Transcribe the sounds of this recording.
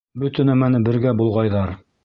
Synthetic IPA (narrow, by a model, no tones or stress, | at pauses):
bɵ̆t̪ɘ̆næmænɘbɘ̆ɾɡæbulˠʁɑjðɑɾ